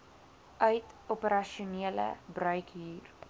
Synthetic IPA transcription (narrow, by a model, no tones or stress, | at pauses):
ʔœɥtɔpəɾɐʃiuniələ̰brœɥkɦiːr